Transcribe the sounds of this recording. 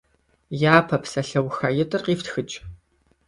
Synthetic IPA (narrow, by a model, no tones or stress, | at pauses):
jaːpʰɐpsɐɬɐwxɐjɪtʼɨrqiːftxɨt͡ʃʼ